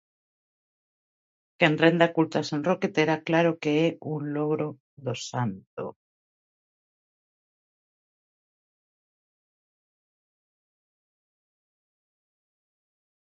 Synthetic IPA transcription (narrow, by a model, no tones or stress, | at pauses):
kenrend̪akult̪asenroket̪eɾaklaɾokeɛunloɣɾo | ðosant̪o̰